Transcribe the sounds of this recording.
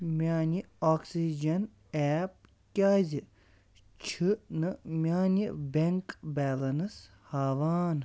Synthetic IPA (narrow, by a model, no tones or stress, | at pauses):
mʲaːnʲi | oːksid͡ʒɐn | ɛːp̚ | kʲaːzʲi | t͡ʃʰɨnɨmʲaːnʲibʲeŋkbʲɛːlɐnɨs | haːʋaːn